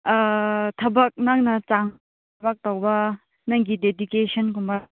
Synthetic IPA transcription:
tʰɐbɐk̚naŋnɐt͡ʃaŋʰ | bak̚tawbɐ | naŋɡidedukesʰɔnkumbɐ

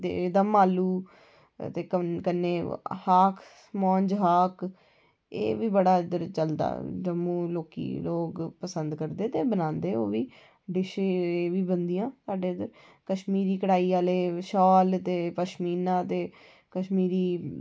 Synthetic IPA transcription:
t̪ḛːd̪amaːluː | t̪eːkəkənːeːhaːkʰ | mɔ̃ːɲd͡ʒɦaːk | ḛːʋiːbəɽaːd̪əɾt͡ʃəld̪a̰ːd͡ʒəmːũːloːkḭːloːkpəsənd̪kəɾd̪eːt̪eːbənãːnd̪eːo̰ːʋiː | ɖɪʃeːeːʋiːbənd̪ijãːsaːɖeːəd̪əɾkəʃmiːɾiːkəɽaːiːaːleːʃɔːlt̪eːpəʃmiːnãːt̪eː | kəʃmiːɾiː

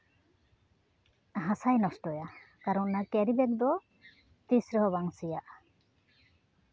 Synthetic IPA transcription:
ɦasajnɔsʈɔja | kaɾɔnnakɛɾibɛk̚d̪ɔ | t̪isɾɔɦɔbaŋsijaʔ

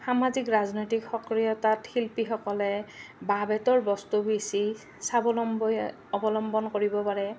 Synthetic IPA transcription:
xamazikɹaznojtikxɔkɹijɔtatxilpixɔkɔlɛbabɛtɔɹbɔstubisi | sabɔlɔm | ɔbɔlɔmbɔnkoɹibɔpaɹɛ

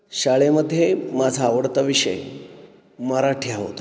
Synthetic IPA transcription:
ɕaɭeməd̪ʱːjemad͡zʱaːʋəɽt̪aʋiɕə̰j | məɾaʈʰjaɦo̰t̪a

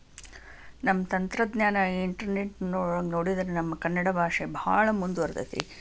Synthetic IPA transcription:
nɐmːɐt̪ɐnt̪ɾɐd̪njaːnaiɳʈɐɾneʈnoːɭɐːɡnoːɽid̪ɐɾenɐmːɐkɐnːɐɽɐbʱaːʂebʱa̰ːɭɐmund̪uɐɾd̪ɐ̰t̪ḭ

